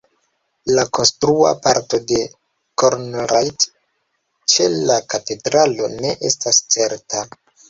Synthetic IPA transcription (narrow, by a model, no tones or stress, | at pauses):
lako̞nstɾua̰paɾto̞de̞ | koɾnɾajt | t͡ʃe̞lakate̞dɾalo̞ne̞ʔe̞stast͡se̞ɾta